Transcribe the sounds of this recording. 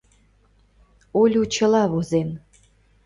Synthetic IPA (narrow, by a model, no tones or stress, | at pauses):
olʲut͡ɕə̆lɑβozen